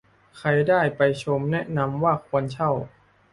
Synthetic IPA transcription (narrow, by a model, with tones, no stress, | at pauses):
kʰa˧jdaː˥˩jpa˧jt͡ɕʰo˧mnɛ˦˥ʔna˧˥mwaː˥˩kʰu˧ənt͡ɕʰa˥˩w